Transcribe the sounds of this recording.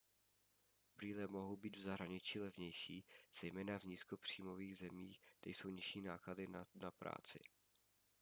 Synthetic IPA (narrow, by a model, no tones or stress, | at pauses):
bɾiːlɛmoɦowbiːd̪vzaɦɾaɲɪt͡ʃiːlɛvɲɛjʃiːz̥ɛjmɛːnavɲiːsko̞pr̝̥iːmo̞viːɣzɛmḭːxt̪ɛjso̞wɲɪʃiːnaːkladɪnapɾa̰ːt͡sɪ̰